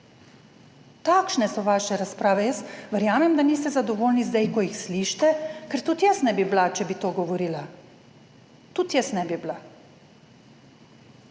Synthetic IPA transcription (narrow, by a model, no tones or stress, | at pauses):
t̪aːkʃnɛsɔʋaʃɛɾaspɾaːʋɛjəsʋɛɾjaːmɛmd̪aniːst̪ɛzad̪ɔʋoːlnizd̪ajkɔjixsliʃt̪ɛkɛɾt̪ut̪jɛsnɛbiblat͡ʃɛbit̪oːɡɔʋɔɾiːla | t̪ut̪jɛsnɛbibla